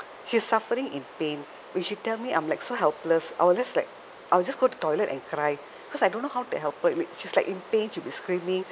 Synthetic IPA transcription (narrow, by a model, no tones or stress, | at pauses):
ʃisːafəɾĩŋĩnpẽn | wɛ̃nʃitɛlmiʔã̰ɪ̃mlajksoɦɛlpləsʔa̰ɪwild͡ʒaslaɪk̚ | ʔawild͡ʒasɡotu̥tɔjlətɛ̰̃nkʰɾaj | ikɔsajdõnːoɦawtuhɛlpəlʃislaɪkĩnpẽnʃubiskɹĩmĩŋ